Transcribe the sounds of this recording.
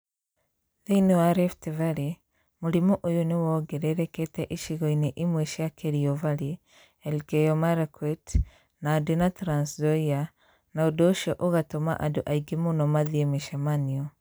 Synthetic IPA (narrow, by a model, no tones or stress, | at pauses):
ðeinewaɾeftevaɾi | muɾimɔʔojonewɔɡɛɾɛɾɛkɛtɛʔiʃiɣɔineʔimweʃiakeɾiɔvali | ɛlɡɛjɔmaɾakwɛt | nadenatɾanszɔia | naodɔʃɔʔoɣatoma̰ʔadoʔaiɡemunɔmaðiemiʃamaniɔ